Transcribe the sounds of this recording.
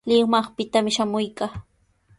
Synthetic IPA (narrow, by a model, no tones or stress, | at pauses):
lɪŋmɑχpɪt̪amɪʃamʊjkaː